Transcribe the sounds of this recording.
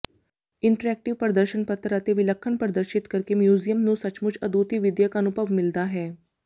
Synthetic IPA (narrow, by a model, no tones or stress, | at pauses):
ɪɳʈəɾɛːk̚ʈɪʋpəɾd̪əɾʃənpət̪ɾəət̪eʋɪləkʰːənpəɾəd̪əɾʃɪt̪kəɾkemjuːzijəmnũsət͡ʃmʊt͡ʃʰəd̪uːt̪iʋɪd̪jəkənʊbəʋmɪld̪aɦɛː